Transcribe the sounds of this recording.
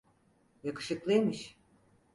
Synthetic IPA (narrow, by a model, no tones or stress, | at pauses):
jakɯ̥ʃɯklˠɯemɯʃ